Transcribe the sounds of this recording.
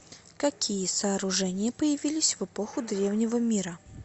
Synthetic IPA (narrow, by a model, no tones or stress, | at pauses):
kɐkʲijəsɐːɾʊʐɛnʲɪjəpəjɪvʲilʲɪsʲvɨpoxʊd̪ɾʲe̞vnʲɪvəmʲiɾə